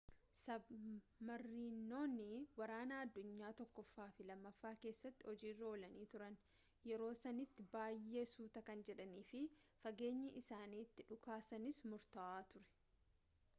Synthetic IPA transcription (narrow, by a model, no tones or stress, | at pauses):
sɐbmɐrːiːnːo̞ːnɪwɐɾaːnɐɐd̪ːʊɲːaːt̪ɔkːɔfːaːfɪlɐmːɐfːaːke̞ːsːɐt̪ːɪhɔd͡ʒiːrːɐoːlɐniːt̪ʊɾɐn | jɛɾo̞ːsɐnɪt̪ːɪbaːjːe̞ːsuːt̪ɐkɐnd͡ʒɛᶑɐniːfɪfɐɡe̞ːɲːɐʔɪsaːniːt̪ːɪᶑʊkaːsɐnɪsmʊɾt̪ɐʔaːt̪ʊɾɛ̥